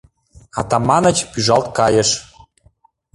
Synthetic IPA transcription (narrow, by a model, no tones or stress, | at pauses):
ɑ̰t̪ɑmɑnə̆t͡ɕpyʒɑlt̪̚kɑjə̆ʃ